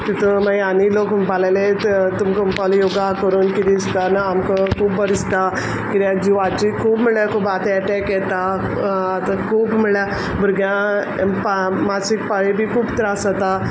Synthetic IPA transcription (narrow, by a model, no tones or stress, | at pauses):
t̪it̪əmajanilokbalajlet̪umkəmpaljoɡakəɾuːnkit̪ist̪anaamkəkʰuːbʋəɾist̪a | kid̪jãd͡ʑiʋat͡ɕikʰuːbmiɭjakʰuːbat̪eɛʈɛkjɛt̪a | at̪akʰuːbmiɭja | buɾɡjã | pa | masik̚paɭibʱiːkʰuːbt̪ɾasət̪a